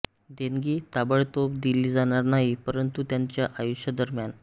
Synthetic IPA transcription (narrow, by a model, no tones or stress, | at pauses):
d̪eŋɡiːt̪abəɭt̪opd̪iliːd͡zaɽ̃aɾnaɦipəɾənt̪ut̪jaɲt͡ɕjaʔajuɕjad̪əɾmjan